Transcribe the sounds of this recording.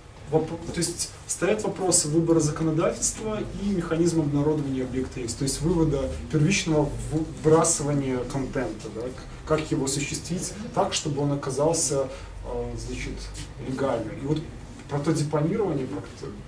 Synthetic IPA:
vɐpt̪o̞ɪsʲtʲ | st̪ɐjat̪vɐpɾo̞sɨvɨbəɾəzəkənɐd̪atʲɪlʲst̪vəimʲɪxɐnʲizmɐbnɐɾo̞d̪əvənʲɪjəɐbjekt̪əjesʲt̪o̞ɪsʲtʲvɨvəd̪əpʲɪrvʲit͡ɕnəvəvɨbɾasɨvənʲɪjəkɐnt̪ɛnt̪əd̪a | kakjɪvo̞ɐsʊɕːɪst̪vʲitʲt̪akʂt̪o̞bɨo̞nɐkɐzɑlˠsʲə | znat͡ɕɪt̪lʲɪɡalʲnɨmivo̞t̪ | pɾɐt̪o̞dʲɪpɐnʲiɾəvənʲɪjəkakt̪ə

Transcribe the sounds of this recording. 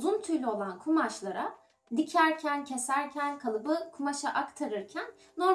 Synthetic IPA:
zunt̪ʰyɾlʲyo̞lˠankʰumaʃlˠaɾa | d̪icʰæɾcʰæncʰe̞sæɾcʰænkʰalˠɯbɯkʰumaʃaʔakt̪ʰaɾɯɾcʰænːo̞ɾ

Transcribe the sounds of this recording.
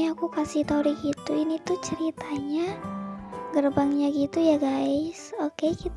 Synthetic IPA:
iakukasiht̪auɾiɡit̪uinit̪ut͡ʃəɾit̪aɲa | ɡərbaŋɲaɡit̪ujaɡaisokekit̪

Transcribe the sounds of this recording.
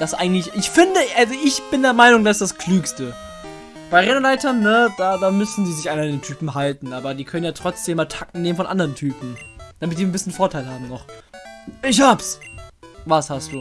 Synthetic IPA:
d̥asʔa̰ɪɡŋ̩tlɪçʔɪçfɪndəʔalzoʔɪçb̥ɪndeːɐmaɪnʊŋdasɪsd̥askʰl̥yːkstə | b̥aɪʁɛnəlaɪtɐnːəd̥aːdaːmʏsn̩diːzɪçʔaɪmadeːntʰyːpm̩ɦaltn̩ʔaːbɐdiːkʰœnənjaːtʁ̥ɔt͡sd̥eːmːaːltʰak̚tn̩nːeːmən̩fɔnʔa̰ndəʁəntʰyːpm̩d̥amɪtdiːnbɪsçənfoːɐtʰaɪlɦaːbm̩nɔχ | ɪç̬haːps | vashast̚d̥uː

